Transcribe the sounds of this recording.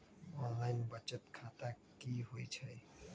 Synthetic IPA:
ɔnlaɪnbət͡ʃət̪kʰat̪a | kiɦojt͡ʃʰə

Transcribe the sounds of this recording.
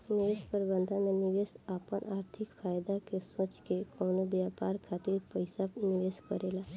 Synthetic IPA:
nɪʋeːspəɾbə̃nd̪ʱənmẽnɪʋeːsaːpənʔaːɾt̪ʰɪkfʰaːjd̪akesõːt͡ʃkekɔːnobjaːpaːɾkʰaːt̪iɾpəɪsanɪʋeːskəɾeːlaː

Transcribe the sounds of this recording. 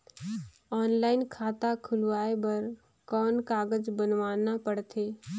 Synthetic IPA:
ɔːnlaːɪnkʰaːt̪akʰʊlʋaːebəɾ | kɔːnkaːɡəd͡ʒbənʋaːnapəɽt̪ʰeː

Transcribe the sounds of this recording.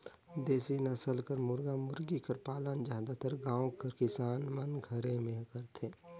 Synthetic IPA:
d̪eːsinɐsəlkəɾmʊɾɡamʊɾɡikəɾpaːlənd͡ʒãːd̪at̪əɾɡãːwkəɾkɪsaːnmɐnɡʱəɾẽmẽkəɾt̪ʰeː

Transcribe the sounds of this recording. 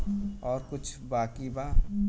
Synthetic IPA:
ɔːɾkʊt͡ʃʰbaːkibaː

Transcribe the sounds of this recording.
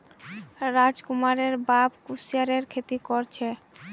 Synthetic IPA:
ɾad͡ʑkumaɾeɾbabkusiaɾeɾkʰet̪ikoɾt͡ɕʰe

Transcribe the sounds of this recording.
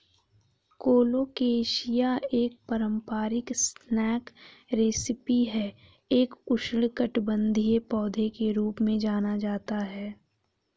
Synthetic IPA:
koːloːkeːʃijaeːk̚pəɾə̃mpaːɾɪksnɛːkɾeːsɪpiɦɛː | eːkʊʃɽkəʈbə̃nd̪ʱijepɔːd̪ʱekeɾuːpmẽd͡ʒaːnad͡ʒaːt̪aɦɛː

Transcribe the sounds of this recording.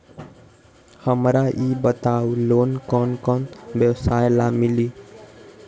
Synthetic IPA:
həmɾaʔibət̪aulonkɔnkɔnbjəwsajlamili

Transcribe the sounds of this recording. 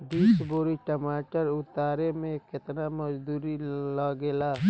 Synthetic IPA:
ɖiːsboːɾiʈəmaːʈəɾʊt̪aːɾemẽkɪt̪namɐd͡ʒd̪uːɾilaːɡeːlaː

